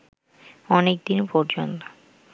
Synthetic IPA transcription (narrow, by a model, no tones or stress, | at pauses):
ɔnek̚d̪inpɔɾd͡ʑont̪o̥